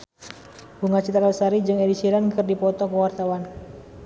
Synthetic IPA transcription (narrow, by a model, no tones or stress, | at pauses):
buŋat͡ʃit̪ɾalsaɾid͡ʒɨŋedisiɾankɨrdipɔt̪ɔkəwart̪awan